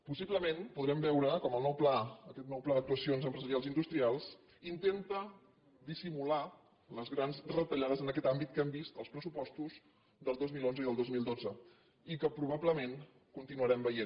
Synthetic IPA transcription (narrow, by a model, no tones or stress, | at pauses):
pusibləmenpuðɾɛmbɛwɾəkɔməlˠnɔwplaəkɛt̪nɔwplaðək̚t̪uəsionzəmpɾəzəɾialˠzind̪ust̪ɾialˠs | int̪ent̪ə | d̪isimula | ləzɣɾanzrət̪əʎaðəzənəkɛt̪ambit̪̚kɛmbist̪əlˠspɾəsupɔst̪uz | d̪əlˠd̪ozmilˠonzəiðəlˠd̪ozmilˠd̪od͡zə | ikəpɾuβabləmen | kunt̪inuəɾɛmbəjen